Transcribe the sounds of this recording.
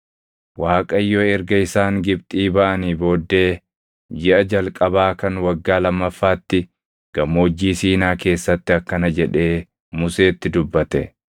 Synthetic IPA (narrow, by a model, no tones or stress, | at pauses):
waːkʼɐjːoɛɾɡɐɪsaːŋɡɪbt̪ʼiːbɐʔɐniːbo̞ːd̪ːe̞ː | d͡ʒɪʔɐd͡ʒɐlkʼɐbaːkɐnwɐɡːaːlɐmːɐfːaːt̪ːɪ | ɡ̥ɐmoːd͡ʒːiːsiːnaːke̞ːsːɐt̪ːɪɐkːɐnɐd͡ʒɛᶑe̞ː | mʊse̞ːt̪ːɪd̪ʊbːɐt̪ɛ